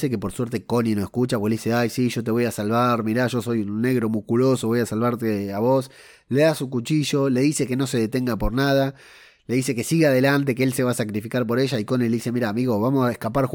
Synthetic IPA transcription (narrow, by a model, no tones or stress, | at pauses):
sekepoɾsweɾt̪e̞ko̞ninoehkut͡ʃapokelðiseajsiʒot̪̬e̞β̞o̞jasalβaɾmiɾaʒo̞so̞junːeɣɾo̞muhkulo̞soβo̞jasalβaɾt̪eaβo̞s | leðasukut͡ʃiʒo̞le̞ðise̞keno̞se̞ðet̪eŋɡapoɾnað̞a | le̞ðise̞kesiɣeaðelant̪ek̬eelseβasakɾifikaɾp̬o̞ɾeʒaiko̞nileðise̞miɾamiɣoβamosaehkapaɾx